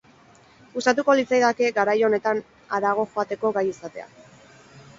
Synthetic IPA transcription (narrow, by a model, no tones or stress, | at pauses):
ust̪at̪uko̞lit͡sajðake̞ɡaɾajo̞ne̞t̪an | aɾaɣ̞o̞xo̞at̪e̞ko̞ɡajisat̪e̞̰a̰